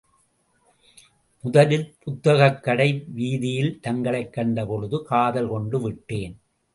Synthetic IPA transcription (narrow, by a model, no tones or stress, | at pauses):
mʊðɐlɪlpʊt̪ːɐɣɐkːɐɽɐɪʋiːðɪjɪlt̪ɐŋɡɐɭɐɪkːɐɳɖɐpɔɻɯðɯkaːðɐlkɔɳɖɯʋɪʈːeːn